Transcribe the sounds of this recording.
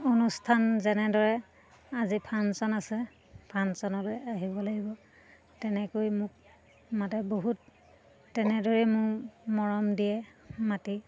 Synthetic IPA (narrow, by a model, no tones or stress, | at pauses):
onustʰanzɛnɛdɔɹɛ | azipʰansɔnasɛ | pʰansɔnɔlojaɦibɔlaɡibɔ | tɛnɛkojmʊk̚ | matɛboɦutː | ɛnɛdoɹimʊɹmɔɹɔmdijɛmati